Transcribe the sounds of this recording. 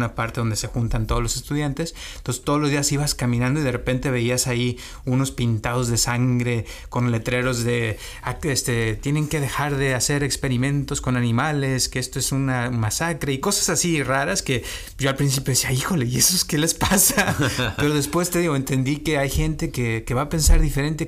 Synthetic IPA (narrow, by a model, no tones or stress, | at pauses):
napaɾt̪e̞ðond̪ese̞xunt̪ant̪o̞ð̞olose̞st̪uðjant̪es | nt̪onsest̪oð̞olozðiasiβaskamĩnãnd̪oiðe̞repe̞nt̪e̞βe̞iasai | uno̞spint̪aðo̞zðe̞saŋɡɾe̞ | ko̞nle̞t̪ɾe̞ɾo̞zðe̞ | aest̪e̞t̪je̞ne̞ŋke̞ðe̞xaɾðe̞ase̞ɾe̞kspe̞ɾimẽ̞nt̪o̞skonanĩmale̞skeest̪oe̞sunamasakɾeiko̞sḁsasiraɾaske̞ | ɟ͡ʝo̞alpɾins̬ipjoesiaixo̞le̞ie̞soeskele̞spasae̞ɾo̞ð̞e̞spwe̞st̪eðiɣo̞e̞nt̪e̞nd̪ike̞ajxe̞nt̪e̞kekeβaːpe̞nsaɾðife̞ɾe̞nt̪e̞